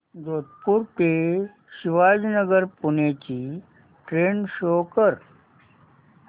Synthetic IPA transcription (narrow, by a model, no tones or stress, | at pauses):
ɡot̪̚puɾpe | ɕiʋaːd͡ʑnəɡəɾpunet͡ɕiː | ʈɾenɕokəɾ